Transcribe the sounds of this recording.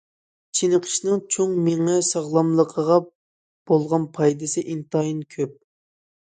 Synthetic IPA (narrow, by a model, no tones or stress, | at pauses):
t͡ʃʰinəqʰə̥ʃnɨŋt͡ʃʰoŋmeŋɛsɑʁlˠɑmlˠəqʰəʁɑ | b̥olˠʁɑnpʰɑjd̪ɨsɨʔint̪ʰɑjinkʲʰøp̚